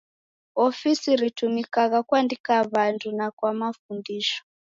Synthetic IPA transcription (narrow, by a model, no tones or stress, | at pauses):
ofisiɾitumikakakwandikaβantʰunakwamafundiːʃɔ̥